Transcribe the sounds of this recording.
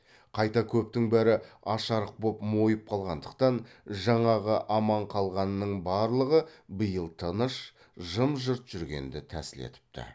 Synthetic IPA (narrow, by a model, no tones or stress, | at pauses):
qʰɑjt̪ɑkʲʰɵpt̪ɪŋbæɾɪɑʃɑɾəq̚bo̞pmo̞jəp̚qʰɑlˠʁɑnd̪əqt̪ɑnʒɑɴɑʁəʔɑmɑɴqʰɑlˠʁɑnənːəɴbɑɾlˠəʁəbəjəlˠt̪ʰənəʃ | ʒəmʒəɾt̪ʒ̥ʏɾɡʲe̞̰nd̪ɪt̪ʰæ̰sɪlḛt̪ɪ̥p̚t̪ɪ̰